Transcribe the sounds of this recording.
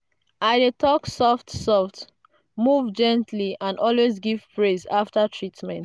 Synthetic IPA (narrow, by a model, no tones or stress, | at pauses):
aɪdetʰɔksɔftsɔft | muvd͡ʒɛ̃ntʰliãnɔlwezɡiv̥pɹezaftatʰɹitmɛ̃nt